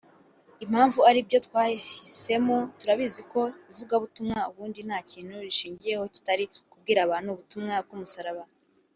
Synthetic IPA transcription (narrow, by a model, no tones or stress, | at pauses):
im̥haːɱvuaɾibjo̞tkwaːhise̞mo̞tuɾaβiziko̞ivuɡaβutumŋauβuːndin̥haːciːn̥huɾiʃiːɲɟije̞ho̞ci̥taɾikub̚ɡiːɾaβaːn̥uβutumŋab̚ɡumusaɾaβa